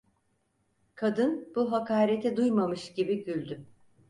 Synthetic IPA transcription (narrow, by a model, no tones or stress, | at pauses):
kʰad̪ɯnb̥uɦakʰaːɾet̪ʰɛd̪ujmamɯʃɟ̥ibiɟylʲd̪y